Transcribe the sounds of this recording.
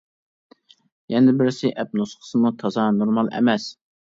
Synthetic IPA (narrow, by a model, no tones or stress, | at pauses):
jɛnɪbɪɾsɪʔɛp̚nosχə̥sɨmut̪ʰɑzɑnoɾmɑlˠɛ̰mɛs